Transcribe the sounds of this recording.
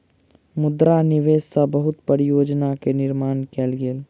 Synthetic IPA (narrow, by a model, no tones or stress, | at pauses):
mʊd̪ɾanɪʋeːssabəɦʊt̪pəɾijoːd͡ʒnakenɪɾmaːnkɛːlɡeːl